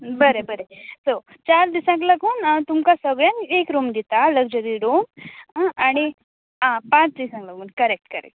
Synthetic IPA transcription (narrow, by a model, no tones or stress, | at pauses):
bəɾebəɾeso | t͡ʃaɾd̪isãŋklɐɡuːnt̪umkasəɡɭjanekɾoːmd̪it̪aləɡd͡ʒəɾiɾoːm | ani | ãpãt͡ʃd̪isãŋklɐɡuːnkɐɾek̚ʈkɐɾḛk̚ʈ